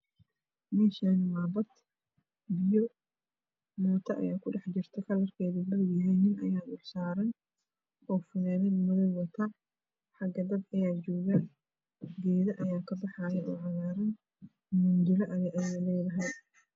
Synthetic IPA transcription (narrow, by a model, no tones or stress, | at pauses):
mɛːʃaːnmaːbɐd̪ | bɪjɔ | mɔːt̪ʰɐʔɐ̰jaːkʰʊɖɛħd͡ʒɪrt̪ʰɛkʰɐlɐrkʰɛːðubɐɪɡjɐɦɛjnɪnɐ̰jaːʊħsaːɾɐn | ɔːfɪnaːnɛnmʊðɐjwɐt̪ʰɐ | ħɑɡɐd̪ɐd̪ɐjaːt͡ʃɔːɣaːn | ɡɛːðɐʔɐjaːkʰɐbɑħaːjɛʔɔːʕɑɣaːɾɐn | mʊnd͡ʒɪɾɐʔɐjɐʔɐjalɛːðɐɦɛj